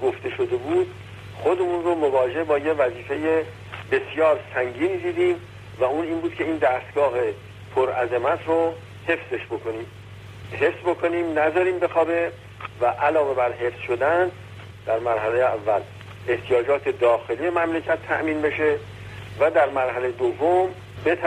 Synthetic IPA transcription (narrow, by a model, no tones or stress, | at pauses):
ɡo̞ft̪e̞ʃo̞d̪e̞buːd̪̥ | χo̞d̪e̞munromovɒːd͡ʒe̞hbɒːjevæziːfe̞je | be̞sjɒːɾsæŋɟiːnid̪iːd̪iːm | væuːniːnbuːd̪kʰʲcʰe̞iːnd̪æːst̪ɡ̥ɒːɦe | pʰoɾʔæzemæt̪ʰro | he̞fse̞ʃbo̞kʰo̞niːm | ɦe̞fsbo̞kʰo̞niːmnæzɒːɾiːmbe̞xɒːbe | væʔælɒːve̞bæɾɦe̞fsʃo̞d̪æn | d̪̥æɾmæɾɦælejeævːæl | e̞ht̪ʰijɒːd͡ʒɒːt̪ʰe̞d̪ɒːxe̞lijemæmle̞cʰæt̪ʰːæʔmiːnbe̞ʃe̞ | væd̪æɾmæɾɦælejed̪ovːom | bet̪ʰ